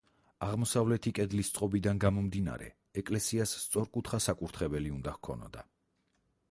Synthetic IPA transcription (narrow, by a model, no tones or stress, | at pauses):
aʁmɔsavlɛt̪ʰikʼɛd̪list̪sʼqʼɔbid̪anɡamɔmd̪ina̰ɾɛ̰ | ɛkʼlɛsiasːt̪sʼɔɾkʼut̪ʰχasakʼuɾt̪ʰχɛbɛliund̪ahkʰɔ̰nɔ̰d̪a̰